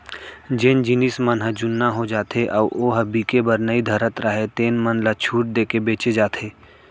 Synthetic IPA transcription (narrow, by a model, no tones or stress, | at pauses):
d͡ʒeːnd͡ʒɪnɪsmənɦəd͡ʒʊnːaɦod͡ʒaːt̪ʰeʔɐːoːɦəbikebəɾnəid̪ʱəɾət̪ɾəɦet̪eːnmənlat͡ʃʰuːʈ̚d̪eːkebeːt͡ʃed͡ʒaːt̪ʰeː